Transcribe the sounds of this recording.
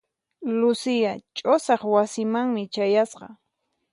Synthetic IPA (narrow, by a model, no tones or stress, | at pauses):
lʊsɪjat͡ʃʼosɑχwasɪmaŋmɪt͡ʃajasqɑ̰